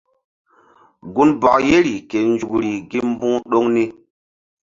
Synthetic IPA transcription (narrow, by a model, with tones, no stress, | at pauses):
ɡu˦nbɔ˨kje˦ɾi˨ke˨n˦d͡ʒu˨kɾi˨ɡi˦m˦bu˦ŋɗo˦ŋni˦